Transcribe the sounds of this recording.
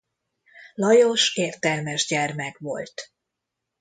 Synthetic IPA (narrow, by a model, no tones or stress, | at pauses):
lɒjoʃeːrt̪ɛlmɛʒɟɛrmɛkʋo̞̰lt̪